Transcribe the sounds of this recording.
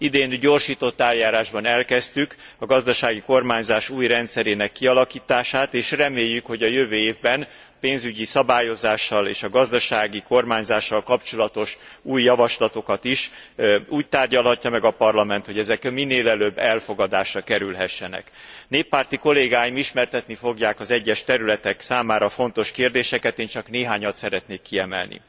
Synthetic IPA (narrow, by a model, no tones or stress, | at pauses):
id̪eːnɟo̞ːrʃiːt̪o̞t̪ːaːljaːɾaːʒbɒnɛlkɛst̪ykɒɡɒzd̪ɒʃaːɡiko̞rmaːɲzaːʃuːjrɛnt̪sɛɾeːnɛkːiɒlɒkiːt̪aːʃaːt̪eːʃrɛmeːjːykho̞ɟɒjøvøːeːvbɛn | peːnzyɟisɒbaːjo̞zaːʃːɒlḛːʃɒɡɒzd̪ɒʃaːɡiko̞rmaːɲzaːʃːɒlkɒpt͡ʃo̞lɒt̪o̞ʃuːjːɒvɒʃlɒt̪o̞kɒt̪iʃuːc̚t̪aːrɟɒlɦɒcːɒmɛɡɒpɒrlɒmɛnt̪ho̞ɟɛzɛkmːinːeːlɛløbːɛlfo̞ɡɒd̪aːʃrɒkɛɾylɦɛʃːɛnɛ̰k | neːpːaːrt̪iko̞leːɡaːjimiʃmɛrt̪ɛt̪nifoɡjaːkɒzɛɟːɛʃt̪ɛɾylɛt̪ɛksaːmaːɾɒfo̞nt̪o̞ʃkeːrd̪eːʃɛkɛt̪eːnt͡ʃɒkneːɦaːɲɒt̪sɛɾɛt̪neːkːiɛmɛ̰lnḭ